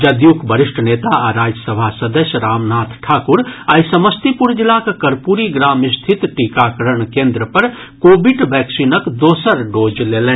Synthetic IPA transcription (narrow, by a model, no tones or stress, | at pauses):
d͡ʒɐd̪jukbəɾɪʃʈʰəneːt̪aɾaːd͡ʒəsəbʱasɐd̪əʃɾaːmnaːt̪ʰʈʰaːkʊɾajsɐməst̪ipuɾd͡ʒɪlakkɐɾpuːɾiɡɾaːmɪst̪ʰɪt̪ʈikaːkəɾəɳ̃kẽːnd̪ɾəpɐɾ | koːbɪɖʋɛːksiːnəkd̪oːsəɾɖoːd͡ʒleːlẽː